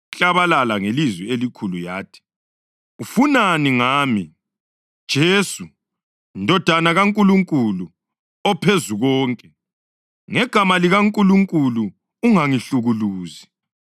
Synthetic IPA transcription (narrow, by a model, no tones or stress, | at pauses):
ɬʼaβalalaŋelizwɛelikʰulujaːtʰi̥ | ufunaniŋaːmi | d̥ʒ̥ʱeːsu | ndʱɔd̥ʱanaɣaŋkʼuluŋkʼulu | ɔpʰezuɣɔːŋkʼɛ | ŋɛɡ̥ʱamaliɣaŋkʼuluŋkʼuluː | ŋaŋiɬuɣuluːzi